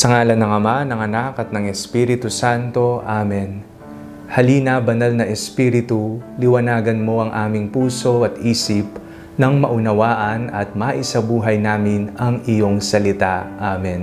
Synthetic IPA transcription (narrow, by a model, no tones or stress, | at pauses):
sɐŋaːlɐnɐŋɐmanɐŋɐnakɐt̪̚nɐŋɛspiːɾɪt̪usant̪o̞ʔaːmɛn | hɐliːnɐbɐnalnɐʔɛspiɾɪt̪ulɪwɐnaːɡɐnmo̞ʔɐŋʔaːmɪŋpuːso̞ʔɐt̪ʔiːsɪp | nɐŋmɐʔʊnɐwaːʔɐnɐt̪̚mɐʔɪsɐbuːɦɐjnaːmɪnɐŋɪjo̞ŋsɐlɪt̪aʔaːmɛn